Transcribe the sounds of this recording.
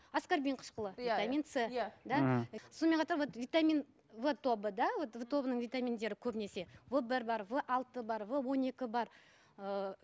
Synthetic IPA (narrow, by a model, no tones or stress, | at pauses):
askaɾbʲiɴqʰə̥ʃqəlˠəjvit̪amint̪sejd̪ɑso̞nme̞nqʰɑt̪ɑɾwo̞t̪vʲit̪amʲin | vət̪ʰo̞bəd̪ɑwot̪vət̪ʰo̞bənəɴvʲijt̪amʲind̪e̞ɾɪkʲʰɵbɪne̞se̞vəbɪɾbɑɾvəʔɑlˠt̪əbɑɾvəwo̞ne̞kʲɪbɑɾ | ə